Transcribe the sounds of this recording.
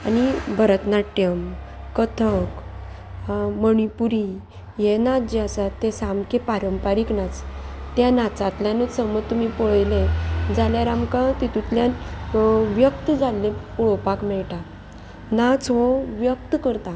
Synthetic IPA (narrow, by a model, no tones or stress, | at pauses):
anibʱəɾət̪naʈːjəmkət̪ʰək | məɳ̃ipuɾi | jenad͡ʑeasat̪ːesamkepaɾəmpaɾiknat͡st̪janat͡sat̪ljãnəsəmət̪ːumipoɭjlẽd͡zaljaɾamkat̪it̪ut̪ljan | ʋjək̚t̪əd͡zalːẽpuɭopakmɛɭʈa | nat͡sɦoʋjək̚t̪kəɾt̪a